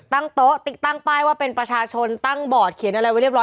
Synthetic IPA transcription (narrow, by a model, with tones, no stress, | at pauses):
t̪a˥˩ŋt̪o˦˥ʔt̪i˨˩t̪ːa˥˩ŋpaː˥˩jwaː˥˩pe˧npɾa˧t͡ɕʰaː˧t͡ɕʰo˧nt̪a˥˩ŋbɔː˨˩t̪̚kʰi˩˦nʔa˧ɾa˧jwa˧˦ɾi˥˩p̚ɾɔː˦˥